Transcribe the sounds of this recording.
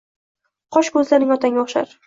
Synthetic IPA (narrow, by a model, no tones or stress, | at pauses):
qʰɒʃkʰɵzlaɾnɪŋɒt̪ʰaŋʲaɒχʃa̰ɾ